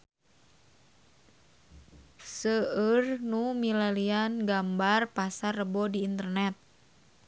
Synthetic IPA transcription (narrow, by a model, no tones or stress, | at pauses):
səərnumilalianɡambarpasarəbɔdiːnt̪ərnɛt̪̚